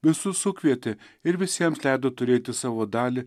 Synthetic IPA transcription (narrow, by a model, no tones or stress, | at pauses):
ʋʲɪsʊsʊkʲʋʲiɛt̪ʲɪ | ɪɾʋʲɪsʲiɛmslʲɛjd̪ot̪ʊɾʲeːjt̪ʲɪsaːʋod̪ɑːlʲɪ